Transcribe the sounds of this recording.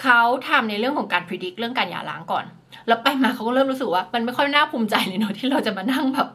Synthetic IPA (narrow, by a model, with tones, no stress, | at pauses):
kʰa˦˥wt̪ʰa˧mna˧jɾɯ˥˩əŋkʰɔ˩˦ŋkaː˧npʰɾi˧di˦˥k̚ɾɯ˥˩əŋkaː˧nja̰ː˨˩la̰ː˦ŋkɔ̰ː˨˩n | lɛː˦˥wpa˧jmaː˧kʰa˦˥wkɔ˥˩lɤː˥˩mɾu˦˥sɯ˨k̚waː˥˩ma˧nma˥˩jkʰɔ˥˩m˧naː˥˩pʰuː˧mt͡ɕa˧jli˨˩˦nɔ˨˦t̪ʰiː˥˩ɾa˧wt͡ɕa˨˩maː˧na˥˩ŋbɛː˨˩p̚